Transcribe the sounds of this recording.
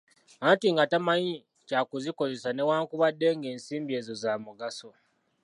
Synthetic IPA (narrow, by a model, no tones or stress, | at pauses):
antiŋɡatamaɲi | cakuziko̞ze̞sane̞waːŋkuβadːe̞ŋɡe̞ːnsiːmbie̞ːzo̞zaːmuɡaso̞